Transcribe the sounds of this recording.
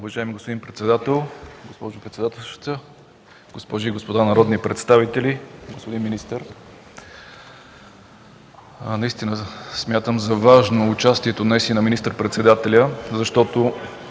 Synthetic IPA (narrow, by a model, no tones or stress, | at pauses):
ʊvɐʒaɛmiɡospod̪inpɾɛt̪sɛd̪at̪ɛlˠɡospɔʒʊpɾɛt̪sɛd̪at̪ɛlˠʃt̪ə | ɡ̥ospɔʒiːɡospod̪anɐɾɔd̪nipɾɛt̪st̪avit̪ɛliɡospod̪inminist̪əɾ | nɐist̪inəsmʲjat̪əmzɐvaʒnoːt͡ʃast̪iɛt̪onɐist̪inəminist̪əɾpɾɛt̪sɛd̪at̪ɛlʲəzɐʃt̪ɔt̪o